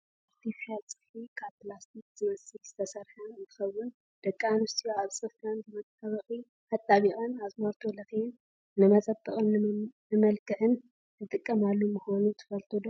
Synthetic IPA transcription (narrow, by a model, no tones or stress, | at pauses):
aɾt̪ʰifħalt͡sʼɨ̥fikʰat̪ʰlast̪ʰik̚z̥ɨmɐsɨlz̥ɨt̪ʰɐsɐɾħɐnzɨxɐwːʊn | d̪̥ɐkʼːanust̪ʰijoaβsʼɨfɐnzɨmɐt̪ʼaβɐxʼi | ʔat̪ʼːaβiɣʼɐnazmoɾt̪ʰolɐxin | nɨmɐt͡sʼɐbʼːɨχʼɨnnɨmɐlkʰɨħɨn | t̪ʰɨt̪ʼɨkʼːɐmalːumɨxonut̪ʰɨ̥fɐlt̪ʰod̪o